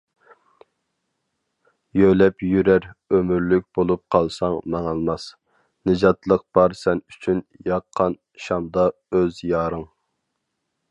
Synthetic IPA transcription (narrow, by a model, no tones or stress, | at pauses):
jølɛpjyɾæɾømyɾlyk̚ʲb̥olˠup̚qʰɑlˠsɑŋmɑŋɑlˠmɑs | nɨd͡ʒɑt̪lˠəq̚b̥ɑɾsɛnyt͡ʃʰynjɑqʰːɑn | ʃɑmd̪ɑ | øzjɑːɾɨŋ